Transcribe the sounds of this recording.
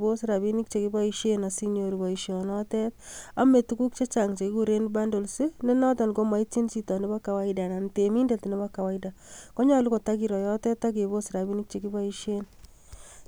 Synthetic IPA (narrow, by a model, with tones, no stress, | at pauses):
bo˦sɪɾa˨bi˦ni˦k̚t͡ʃe˨ki˦ba˦iʃe˦na˨si˦njo˨ɾi˨ba˨i˨ʃjɔnɔtɛta˦me˨tu˦ku˦k̚t͡ʃe˦t͡ʃa˨ŋt͡ʃe˨ki˦ku˨ɾe˦nba˦ndo˨lsi˦ne˦nɔ˦tɔ˨nko˦ma˨i˦ti˦nt͡ʃi˦tɔ˨ne˦ba˦ka˨wa˦ida˨na˨ntemi˦nde˨tne˦ba˦ka˨wa˦ida˨ko˦ɲa˦lu˦ko˨ta˦ki˨ɾɔ˨jɔ˦tɛ˦tːa˦k̬e˨bo˦siɾa˨bi˦ni˦k̚t͡ʃe˨ki˦ba˦iʃen